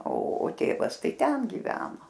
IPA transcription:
oː oː ˈtʲeːʋɐs ˈtɐɪ ˈtʲɛn ɡʲɪˈʋʲæːnoː

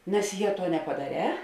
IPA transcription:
nʲɛs ˈjɛ ˈtuɔ nʲɛpɐdɐˈrʲɛː

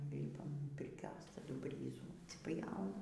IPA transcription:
ˈlʲiːpɐm pʲɪrʲˈkʲoːs tɐˈdʊ ˈbʲrʲiːzuː ɐtʲsʲɪˈpʲjɛʊnɐ

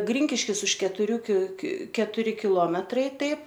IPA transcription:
ˈɡrʲɪŋʲkʲɪʃʲkʲɪs ʊʃ kʲɛtʊˈrʲuː kʲɪ kʲɪ kʲɛtʊˈrʲɪ kʲɪˈlˠoːmʲɛtrɐɪ ˈtɐɪp

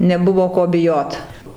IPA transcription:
nʲɛˈbʊʋoː ˈkoː bʲɪˈjoːt

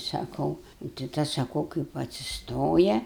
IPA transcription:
sɐˈkɐʊ nʊ tɐɪ ˈtɐs sɐˈkɐʊ kɐɪp ɐtʲsʲɪsˈtoːjɛ

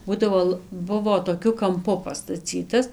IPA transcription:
ˈbuːdɐʋoː lˠ ˈbʊʋoː toːˈkʲʊ kɐmˈpʊ pɐstɐˈt͡sʲiːtɐs

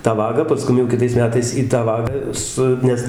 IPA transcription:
tɑː ˈʋɑːɡɑː pɐˈskʊm jɛʊ kʲɪˈtɐɪs ˈmʲæːtɐɪs iː tɑː ˈʋɑːɡɑː ˈsʊ ˈnʲɛs

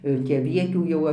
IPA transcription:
jɛʊ ˈtʲiː ɐˈʋʲiɛtʲuː ˈjɛʊ

